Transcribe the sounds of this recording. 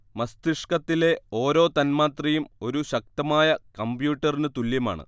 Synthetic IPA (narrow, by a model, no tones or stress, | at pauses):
mɐst̪iʂkɐt̪ːile̞o̞ːɾo̞ːt̪ɐnmaːt̪rɐjumo̞ɾuɕɐk̚t̪ɐmaːjɐkɐmbjuːʈːɐrinɨt̪uljɐma̰ːɳɨ̰